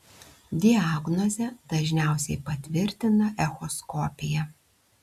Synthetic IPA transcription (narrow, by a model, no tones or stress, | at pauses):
d̪ʲɪaːɡnɔzʲɛd̪̥ɐʒʲnʲæˑʊsʲɛɪpɐt̪ʲʋʲɪɾʲt̪ʲɪnɐʔɛxɔskɔːpʲɪjɛ